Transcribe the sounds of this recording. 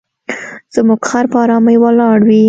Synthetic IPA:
z̥əmuɡxɑɾpəɑɾɑmajwəlɑɽwi

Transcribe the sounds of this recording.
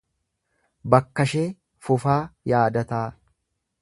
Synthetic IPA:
bɐkːɐʃeː | fʊfaːjaːd̪ɐt̪aː

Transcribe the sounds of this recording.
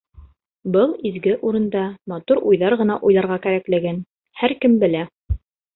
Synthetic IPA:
bɤlˠizɡɘʔuɾɤ̆nd̪ɑmɑt̪uɾujðɑɾʁɤ̆nɑʔujlˠɑɾʁɑkæɾæklɘ̆ɡæn | hæɾkɘmbɘ̆læ

